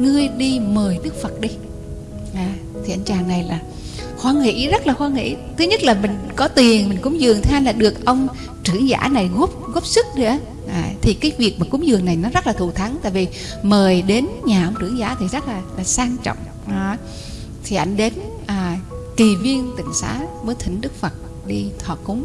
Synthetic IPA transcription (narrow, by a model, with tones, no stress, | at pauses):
ŋɨ˧əjɗi˧məː˨˩jɗɨ˦˥ək̚fə˨˩t̚ɗi˧ | ʔaː˨˩ | t̪ʰi˨˩ʔa˧˩jŋ̟t͡ɕaː˨˩ŋna˨˩jlaː˨˩ | xwaː˧ŋḭ˧˥zə˦˥t̚laː˨˩xwaː˧ŋḭ˧˥t̪ʰɨ˨˦ɲə˦˥t̚laː˨˩mï˨˩ŋ̟kɔ˨˦t̪i˨˩ənmï˨˩ŋ̟kʊ̰˧˥˦ŋ͡mzɨ˨˩əŋt̪ʰʔa˧jlaː˨˩ɗɨ˨˩ək̚ʔə˧wŋ͡m | t͡ɕɨ˧˩əŋza̰ː˧˥na˨˩jɣo˦˥p̚ɣo˦˥p̚sɨ˦˥k̚ɗḭ˧˥˦ | ʔaː˨˩t̪ʰi˨˩kaː˨˦jvi˨˩ək̚maː˨˩kʊ̰˨˧˦ŋ͡mzɨ˨˩əŋna˨˩jnɔ˨˦zə˦˥t̚laː˨˩u˧˩t̪ʰə˨˦ŋt̪a̰ː˧˨jvi˨˩ | məː˨˩jɗe˨˦nɲaː˨˩ʔə˧wŋ͡mt͡ɕɨ˧˩əŋzaː˧˥˦t̪ʰi˨˩zə˦˥t̚laː˨˩laː˨˩saː˧ŋt͡ɕɔ̰˧˨wŋ͡m | t̪ʰi˨˩ʔa̰˧˩jŋ̟ɗe˨˦n | ʔaː˨˩ki˨˩vi˧ənt̪ï˧˩ŋ̟sa̰ː˧˥vəː˨˦jt̪ʰï˧˩˦ŋ̟ɗɨ˦˥k̚fə˨˩t̚ | ɗi˧t̪ʰwaː˧˩kʊ˨˦ŋ͡m